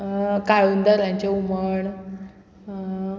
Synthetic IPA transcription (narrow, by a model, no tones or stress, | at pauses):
kajund̪əɾãɲt͡ɕeuməɳ